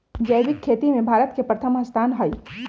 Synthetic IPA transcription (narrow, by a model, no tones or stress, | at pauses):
d͡ʒɐjʋɪkʰːeːt̪imẽbʱaːɾət̪kepɾɐt̪ʰəmɦɐst̪ʰaːnɦɐi